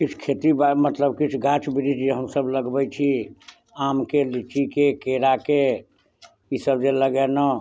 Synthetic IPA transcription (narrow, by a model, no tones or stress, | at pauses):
kit͡ʃʰkʰet̪ibamət̪ləb̚kit͡ʃʰɡat͡ʃbiɾid͡ʒd͡ʒeɦəmsəbləɡbɛt͡ʃʰi | amkelit͡ʃikekeɾake | isəbd͡ʒeləɡɛnə